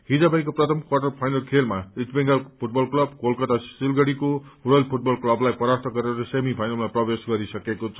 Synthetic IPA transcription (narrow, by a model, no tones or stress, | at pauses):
hid͡zabajkoprʌt̪ʰʌmkwarʈʌrpʰajnʌlkʰelmaisbeŋɡʌlpʰuʈbʌlklʌbɡolkʌt̪asilɡʌɽikouɾʌlpʰuʈ̚bʌlklʌblajpʌɾart̪ʰʌɡʌɾeɾɾʌsemipʰajnʌlmaprʌbesɡʌɾisʌkekot͡sʰʌ